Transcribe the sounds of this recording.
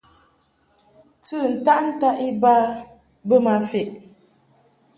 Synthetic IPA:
tɨ˦˨n̩˨ta˦ʔn̩˦ta˦ʔi˦ba˦ | bə˦ma˨fe˨ʔ

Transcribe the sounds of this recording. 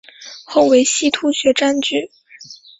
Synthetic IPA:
xo˥˩ʊwe˧˥ɪɕi˥t̪ʰu˥ɕɥɛ˧˥ʈ͡ʂa˥nt͡ɕy˥˩

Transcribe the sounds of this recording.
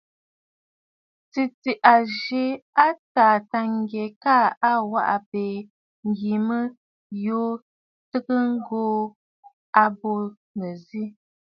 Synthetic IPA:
t͡si˨ti˨ʔa˨ʒe˦a˦taː˨ta˨ŋ˦ɡje˨ka˦˨a˦wa̰˦ʔa̰˨peː˨ | ŋ̩˨ɡi˨mə˦ | jo˦ | tɨ˦kə˦ŋ̩˦ɡoː˦ | a˦bo˦ | nə˨zi˦

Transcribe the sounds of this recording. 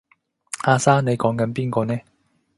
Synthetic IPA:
aː˧saː˥ne˨˧jkɔː˨˥ŋkɐ˨˥npiː˥nkɔː˧nɛː˥

